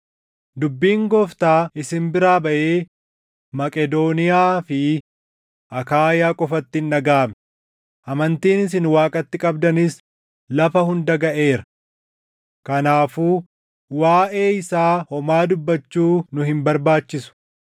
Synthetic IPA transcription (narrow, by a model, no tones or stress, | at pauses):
d̪ʊbːiːŋɡɔft̪aːɪsɪmbɪɾaːbɐʔe̞ː | mɐkʼɛd̪oːnɪjaːfɪ | ʔɐkaːjaːkʼɔfɐt̪ːɪnːɐɡaːm | ʔɐmɐnt̪iːnɪsɪnwaːkʼɐt̪ːɪkʼɐbd̪ɐnɪs | lɐfɐhʊnd̪ɐɡɐʔe̞ːɾɐ̥ | kɐnaːfuː | waːʔe̞ːɪsaːhɔmaːd̪ʊbːɐt͡ʃːuːnʊhɪmbɐɾbaːt͡ʃːɪsʊ̥